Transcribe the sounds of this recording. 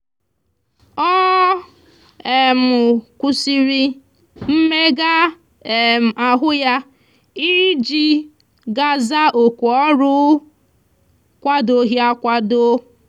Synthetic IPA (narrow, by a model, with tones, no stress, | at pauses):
ɔ˦ | e˨mʊ˨kʷu˦si˦ɾi˦ | m̩˦me˦ɡa˦ | e˨m˨a˨ɦʊ˦ja˦ | i˦d͡ʒi˦ | ɡa˦za˦ʔo˨kʷu˨ɔ˦ɾʊ˦ | kʷa˦do˨ɦi˦a˦kʷa˦do˦